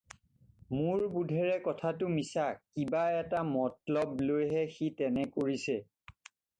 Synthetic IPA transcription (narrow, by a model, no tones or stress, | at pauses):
mʊɹbudʱɛɹɛkɔtʰatʊmisakibaɛtamɔtlɔblojɦɛxitɛnɛkoɹisɛ